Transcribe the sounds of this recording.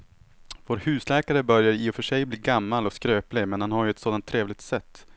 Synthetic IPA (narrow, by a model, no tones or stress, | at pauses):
voːɾhʉ̟ːslɛːkaɾəbœɾjaɾiːɔfœʂɛjbliːɡamːalɔskɾøːplɪmɛnhanhaɾjɵɛt̪soːd̪ant̪ʰːɾeːvlɪɡ̚t̪sɛt̪ː